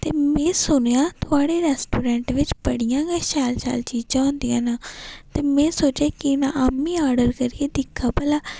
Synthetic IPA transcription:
t̪eːmɛ̃ːsʊnejãːt̪ʊaːɽeːɾɛːsʈuːɾɛ̃ːɳʈʋɪt͡ʃbəɽijãːɡeːʃɛːlʃa̰ːlt͡ʃiːd͡ʒãːõːnd̪ijãːnãːt̪eːmɛ̃ːsoːt͡ʃeːkɪnãːamːiːaːɾɖəɾkəɾieːd̪ɪkʰːaːpəlaː

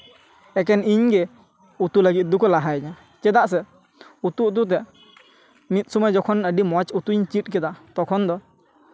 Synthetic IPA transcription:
ɛk̬ɛniɲɡɛ | ut̪uləɡit̪̚d̪ukɔlaɦajɲa | t͡ʃɛd̪aʔs̬ɛ | ut̪uut̪̬ut̪̬ɛ | mit̪̚ˀsumajd͡ʒɔkʰɔnəɖimɔt͡ʃut̪uɲt͡ʃit̪̚kɛd̪at̪ɔkʰɔnd̪ɔ

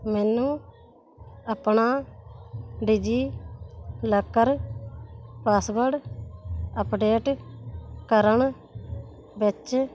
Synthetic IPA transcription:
mɛːnũː | əpɳaː | ɖiːd͡ʒiː | ləkːəɾ | paːsbəɾɖ | əpɖeːʈ | kəɾəɳ | bɪt͡ʃ

